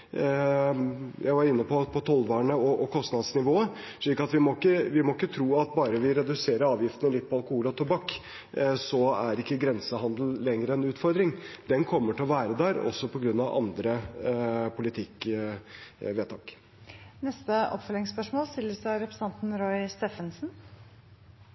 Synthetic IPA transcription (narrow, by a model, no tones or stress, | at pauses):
jʔæɪʋɑɾɪnːəpʰɔpʰɔt̪ʰɔlʋɑːɳəɔʔɔkʰɔst̪nɑd̪snɪʋoːə | ʂɭiːkɑt̪ʋɪmɔɪkːəʋɪmɔɪkːət̪ʰɾuːɑt̪̚bɑːɾəʋɪɾɛd̪ʉseːɾəɾɑːʋjɪft̪ənəlɪt̪̚ːpʰɔɑlkʊhuːlɔt̪ʰubɑkː | sɔæɾɪkːəɡɾɛnsəhɑnd̪l̩ːɛŋːɾəɛnʉːt̪fɔɾd̪ɾɪŋd̪ɛnkʰɔmːəʈʰɪlɔʋæːɾəd̪æɾɔ̰sːɔpʰɔɡɾʉnːɑʋʔɑ̰nd̪ɾə | pʰʊlɪt̪ʰɪkː | ʋeːt̪ʰɑːk | nɛst̪əʔɔ̰pfœlɪŋspœʂmoːlst̪ɪləsɔɾɛpɾəsɑnt̪n̩ɾɔʏst̪eːfənsn̩